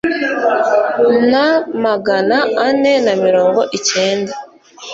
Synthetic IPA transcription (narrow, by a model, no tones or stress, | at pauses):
namaɡanaːne̞namiɾo̞ːŋɡo̞ʔice̞ːnda